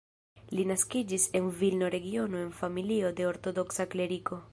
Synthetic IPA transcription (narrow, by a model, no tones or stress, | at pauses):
linaskid͡ʒise̞nvilno̞ɾe̞ɡio̞no̞e̞nfamilio̞de̞o̞ɾto̞do̞ksakle̞ɾiko̞